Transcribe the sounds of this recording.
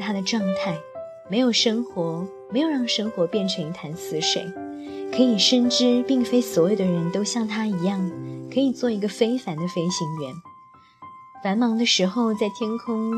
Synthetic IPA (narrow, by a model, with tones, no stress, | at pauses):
t̪ʰa˥d̪ə˨ʈ͡ʂwɑ˥˧ŋt̪ʰa˥˩ɪ | me˧˥ɪjo˨˩ʊʂɤ˥ŋxwɔ˧˥ | me˧˥jo˨˩ʊɻɑ˥˩ŋʂɤ˥ŋxwɔ˧˥pjɛ˥˩nʈ͡ʂʰɤ˧˥ŋi˧˥t̪ʰa˧˥nsɹ̩˥ʂwḛ˨˩ɪkʰɤ˧˥i˨˩ʂə˥˧nʈ͡ʂɻ̩˥pi˥˩ŋfe˥ɪswɔ˧˥jo˨˩ʊd̪ə˩˧ɻə˧˥nt̪o˥ʊɕjɑ˥˩ŋt̪ʰa˥i˧˥jɑ˥˩ŋkʰɤ˧˥i˨˩t͡swɔ˥˩i˧˥ɡə˧fe˥ɪfa˧˥nd̪ə˧fe˥ɪɕi˧˥ŋɥɛ˧˥n | fa˧˥nmɑ˧˥ŋd̪ə˧ʂɻ̩˧˥xo˥˧ʊt͡sa˥˩ɪt̪ʰjɛ˥nkʰʊ˥ŋ